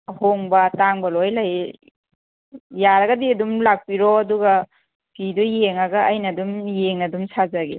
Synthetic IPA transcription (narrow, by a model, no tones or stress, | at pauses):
hoŋbɐtaŋbɐlojlaj | jaɾɐɡɐdiɐdumlak̚piɾɔduɡa | kidujeŋaɡɐɐjnɐdumjeŋnɐdumsazaɡe